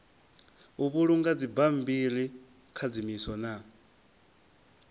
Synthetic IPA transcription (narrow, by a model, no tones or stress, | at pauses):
uβuɺuŋɡad͡zibam̩biɺi | kʰad͡zimisɔna